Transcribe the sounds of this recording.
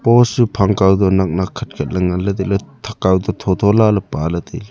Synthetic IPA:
pɔsupʰaŋkawd̪ɔnak̚nakʰɐt̚kʰɐt̚lɐŋalad̪ilɔt̪ʰakawdɔt̪ʰɔt̪ʰɔlalɔpalad̪el

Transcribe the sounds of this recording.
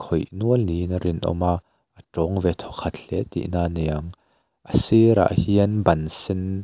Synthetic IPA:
kʰɔjnuəlninəɾɪnʔɔ̰maʔ | ʔəʈ͡ʂɔŋvɛt̪ʰɔkʰɐt̪ɬɛt̪ḭʔnaːnɛɐŋ | ʔəsiɾa̰ʔhiənbɐnsɪn

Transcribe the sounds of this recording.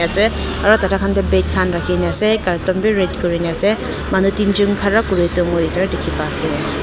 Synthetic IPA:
ase | aɾɔtatʰakʰandabet̚kʰanɾakʰinasekaɾtɔmbiɾet̚kuɾiniase | manutind͡ʒuŋkʰaɾakuɾituŋudikʰaɾadikʰːipase

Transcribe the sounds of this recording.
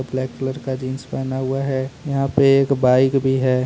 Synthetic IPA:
blɛːkʈɪləɾkad͡ʒiːnspɛːnaɦʊaɦɛjɐɦãpeeːkbaːɪkbʱiɦɛː

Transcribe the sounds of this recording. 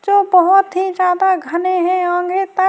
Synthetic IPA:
d͡ʒoːbəɦʊt̪ɦid͡ʒjaːd̪aɡʱəneɦɛ̃ãːŋɡet̪ɐ

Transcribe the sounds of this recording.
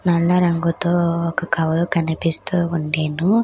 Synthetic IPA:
nɐɭːɐɾɐŋɡut̪oːɔkɐkɐʋɐlukɐnipist̪uːuɳɖeːnu

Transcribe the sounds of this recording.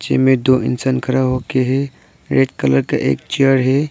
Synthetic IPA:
t͡ʃḛmed̪oʔɪ̰nsankʰəɾaɦokeɦe | ɾeʈkələɾkaʔḛːk̚t͡ʃijəɾɦe

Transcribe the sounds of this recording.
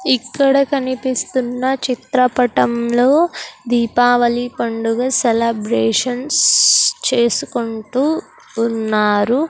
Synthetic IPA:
ikːɐɽɐkɐnipist̪unːɐt͡ʃit̪ɾɐpɐʈɐmlo̞ːd̪iːpaːʋɐlipɐɳɖuɡaːselɐbɾeːʂɐnst͡ʃe̞ːsukuɳʈuː | nːaːɾu

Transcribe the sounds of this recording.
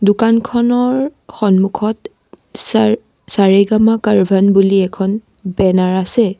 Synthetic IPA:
dukankʰɔnɔɹxɔnmukʰɔt | s | saɹeɡamakaɹbʱanbuliɛkʰɔn | bɛnaɹasɛ

